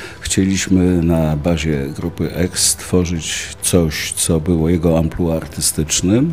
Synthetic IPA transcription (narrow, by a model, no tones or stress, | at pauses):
xt͡ɕelʲiɕmɘnabaʑɛɡɾupɘʔɛkst̪fɔʐɘt͡ɕt̪sɔɕt̪sɔbɘwɔjɛɡɔampluaɾt̪ɘst̪ɘt͡ʂnɘm